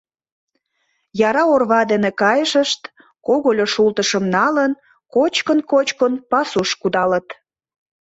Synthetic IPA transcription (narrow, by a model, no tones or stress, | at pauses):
jɑɾɑorβɑd̪enekɑjəʃəʃt̪ | koɣolʲoʃult̪əʃəmnɑlən | kot͡ɕkənkot͡ɕkənpɑsuʃkud̪ɑlət̪